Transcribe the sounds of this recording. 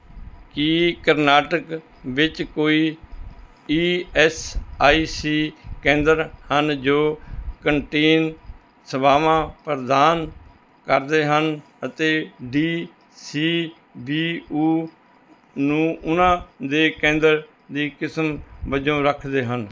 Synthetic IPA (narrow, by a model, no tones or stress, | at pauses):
kikəɾnaːʈək | ʋɪt͡ʃkoːiː | iːɛːsaːiːsiːkẽːnd̪əɾhənd͡ʒoːkəɳʈeːn | səbaːʋãːpəɾd̪aːn | kəɾd̪eːɦən | ət̪eːɖiː | siː | biːuː | nũːʔʊnãːd̪eːkẽːnd̪əɾ | d̪iːkɪsmbəd͡ʒõːɾəkʰd̪eːɦən